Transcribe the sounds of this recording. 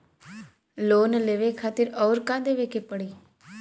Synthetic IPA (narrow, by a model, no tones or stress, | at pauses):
loːnleːʋekʰaːt̪ɪɾɔːɾkãːd̪eːʋeːkepəɽiː